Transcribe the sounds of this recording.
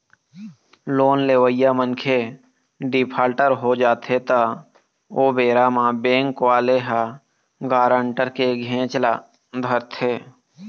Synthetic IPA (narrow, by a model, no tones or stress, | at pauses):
loːnleːʋəɪjamənkʰe | ɖɪpʰaːlʈəɾɦod͡ʒaːt̪ʰet̪a | oːbeːɾamãbẽːŋkʋaːleɦa | ɡaːɾə̃ɳʈəɾkeɡʱẽːt͡ʃla | d̪ʱəɾt̪ʰeː